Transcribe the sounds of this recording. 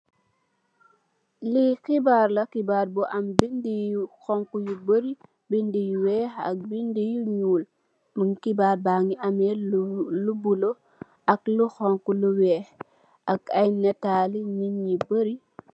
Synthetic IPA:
lixibaːɾlɐkibaːɾbɔʔambindijuxɔŋkujubəɾi | bindijuwɛːha̰k̚bindijuɲuːl | məŋkibaːɾbaŋiʔamɛlubulo | ʔakluxɔŋkuluwɛːh | ʔakajnɛtaːliɲiɲːibəɾi

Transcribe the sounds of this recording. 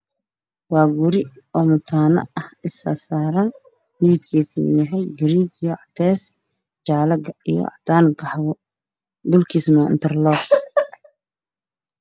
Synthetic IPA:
wɑːɡʊɾɪ | ɔːmʊt̪ʰaːnɐ̰ʔɐhɪsa̰saːɾɐn | mɪðɪb̚kʰiːsmjɐɦɛjɡɪɾiːd͡ʒjɔʕɑt̪ʰɛːs | t͡ʃaːlɐɡɐijɔ̰ɑt̪aːnɡɑħβɔ | d̪ʊlkʰiːsmaɪ̰nt̪ʰɐrlɔː

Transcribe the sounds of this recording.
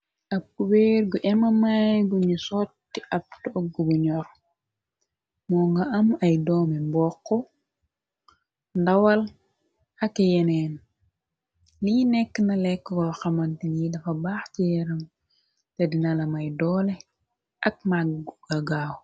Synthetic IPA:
ʔɐb̚kubɛɾɡuʔɛmɐmajɡuɲusɔːtːiʔɐp̚tɔɡːuɡuɲɔɾ | mɔŋɡɐʔɐmɐjdɔːmɛmbɔːkːɔ | ndɐwɐl | ɐkɛjɛnɛn | liːnɛkːənɐlɛkːəɡɔxɐmɐntinidɐfɐbaːxcijɛɾɐm | tɐdinɐlɐmɐjdɔːlɛ | ʔɐk̚maɡuɡɐɡaːw

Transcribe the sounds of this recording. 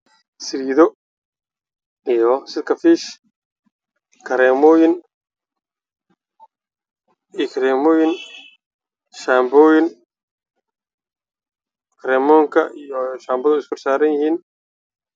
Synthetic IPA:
sɪɾiːðɔ | ijɔsɪlkʰɐfiːʃ | kʰɐɾɛːmɔːjɪn | kʰɐɾɛːmɔːjɪn | ʃaːmbɔːjɪn | kʰɐɾɛːmɔːŋkʰɐ̰ijɔʃaːmbɐðʊɪskʰʊrsaːɾɐnjɐhiːn

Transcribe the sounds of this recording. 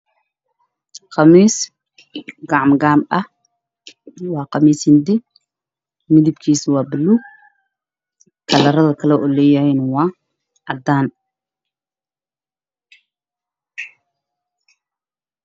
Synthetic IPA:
qɑmiːs | ɡɑʕmɡaːmʔɐh | wɑːqɑmiːsɪnd̪ɪ | mɪðɪbkʰiːswɑːbɪlːuː | kʰɐlɐɾɐðɐkʰɐlɛʔɔːlɛːjɐhɛjnwɑː | ʕɑd̪aːn

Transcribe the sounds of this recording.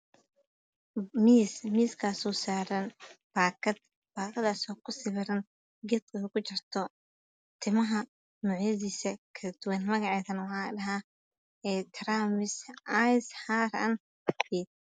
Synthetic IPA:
miːsmiːskʰaːsɔːsaːɾɐnb̥aːkɐd̪̚ | b̥aːkʰɐðaːsɔːkʰʊsɪβɪɾɐn | ɡɛd̪ɐkʰʊt͡ʃɪrt̪ʰɔ | t̪ʰɪmɐɦɐ | mʊʕjɐðiːsɐkʰɐlɐd̪̥ʊwɐnmɐɣɑʕɛːðɐnɐwħɑːɪdɐɦaː | ɛːt̪ʰɾaːmɪsajsħaːɾɐ̰n | fiːd̪̚

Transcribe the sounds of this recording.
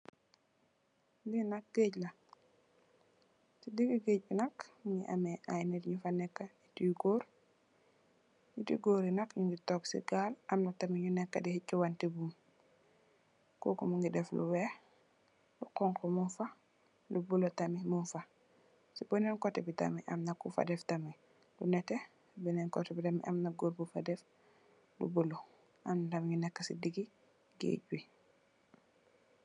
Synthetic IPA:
linak̚ɡ̥eɟla | tidikiɡeɟ̚binakŋɡiʔa̰meʔajnetɲufanɛkːaitiɡoːɾ | ɲitḭɡoɾinakɲuŋɡitɔksḭɡalamnatamiɲunɛkːadihicːuwantibum | ko̰kumuŋɡidɛflṵwɛ | lukɔŋkɔmunfa | lubulotamimunfa | sibɔnɛnkɔtɛbita̰miʔamnakufa̰dɛftami | lunɛtɛ | binɛnkɔtɛbitamḭʔamnaɡoɾbufadɛf | lṵbulo | ʔamnutamiɲunɛkːasḭdiɡi | ɡḛɟwi

